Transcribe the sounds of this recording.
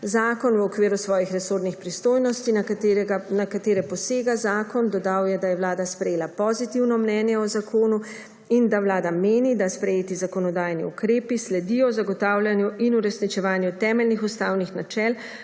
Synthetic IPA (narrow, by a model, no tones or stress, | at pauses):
zaːkɔnwɔkʋeːɾusʋɔːjixɾɛsoɾnixpɾist̪oːjnɔst̪iɡanakat̪eːɾɛpɔseːɡazaːkɔnd̪ɔd̪awjɛd̪ajɛʋlaːd̪aspɾɛjeːlapɔzit̪iwnɔmnɛːnjɛɔzakʰoːnu | ind̪awlaːd̪ameːnid̪aspɾɛjeːt̪izakɔnɔd̪aːjniukɾeːpislɛd̪ijɔzaɡɔt̪aːwlʲjanjuʔinuɾɛsnit͡ʃɛʋaːnjut̪ɛːmɛlnixust̪aːwnixnat͡ʃɛl